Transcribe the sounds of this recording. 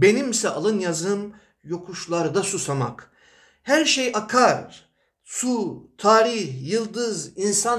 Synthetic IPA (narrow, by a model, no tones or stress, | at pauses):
be̞nimsɛʔalˠɯnjazɯm | jo̞kʰuʃlˠaɾd̪asusama̰k | hæɾʃejʔakʰaɾ | sut̪ʰaːɾiçjɯlˠd̪ɯzinsan